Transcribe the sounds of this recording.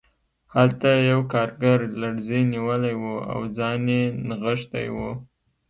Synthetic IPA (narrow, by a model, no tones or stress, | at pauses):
halt̪ajawkɑɾɡaɾlaɽzeniwəlajwua̰wd͡zɑnjenɣəʃt̪a̰jwu